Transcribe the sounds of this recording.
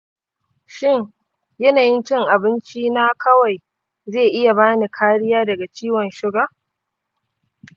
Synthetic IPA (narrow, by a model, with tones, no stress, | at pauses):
ʃɪ˦˨ɲ | jɐ˦naː˨jɪ˦nt͡ʃɪ˦ŋʔa˨bɪ˦nt͡ʃiː˦na˦kʰɐ˦wa˨j | zeː˦˨ʔɪ˦ja˨baː˦ni˨kʰaː˦ɽɪ˦jaː˦dɐ˨ɡa˨t͡ʃiː˦wɐ˨nʃɪ˦ɡaː˦